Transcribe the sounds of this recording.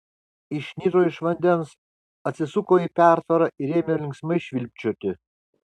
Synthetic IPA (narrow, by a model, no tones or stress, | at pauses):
ɪʃʲnʲiːɾoːɪʃʋɐnʲd̪ʲɛns | ɐt̪ʲsʲɪsʊkoːiːpʲæˑɾt̪ɐɾɐʔɪɾʲeːmʲɪjoːlʲɪŋksmɐɪʃʲʋʲɪlʲp̚ʲt͡ʃʲoːt̪ʲɪ